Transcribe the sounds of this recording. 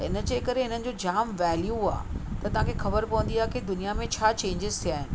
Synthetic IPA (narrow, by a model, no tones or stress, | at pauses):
ɪnə̆d͡ʑeːkɐɾeɦɪn̤ənɪ̆d͡ʑoːd͡ʑaːmʋɛːljua̰ːt̪ɐt̪ɐʋ̤ãːkʰexɐbəɾpɐʋə̃nd̪iaːɦeked̪ʊnijamẽt͡ɕʰaːt͡ɕẽːɲd͡ʑɪzt̪ʰijaːɦɪnɪ̆